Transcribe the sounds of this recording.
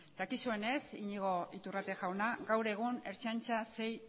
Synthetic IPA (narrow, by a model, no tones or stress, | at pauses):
d̪̥akisue̞ne̞siɲiɣ̞o̞it̪urat̪eʝawnaɡawɾe̞ɣ̞une̞ɾt͡ʃant͡ʃase̞j